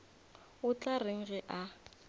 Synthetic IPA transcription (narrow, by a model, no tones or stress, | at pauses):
ʊt͡ɬareŋ̩ɣɛʔa